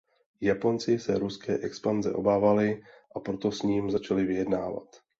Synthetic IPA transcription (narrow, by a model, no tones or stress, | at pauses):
japo̞nt͡sɪsɛɾuskɛ̰ːʔɛkspanzɛ̰ʔo̞baːvalɪ | ʔapɾo̞t̪o̞sɲiːmzat͡ʃalɪvɪjɛdnaːva̰t̪